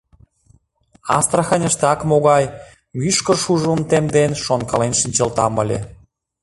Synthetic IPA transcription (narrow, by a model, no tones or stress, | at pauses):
ɑ̰st̪ɾɑxənʲəʃt̪ɑkmoɣɑj | myʃkə̆rʃuʒunt̪emd̪enʃonkɑlenʃənʲt͡ɕə̆lt̪ɑ̰mə̰̆lʲḛ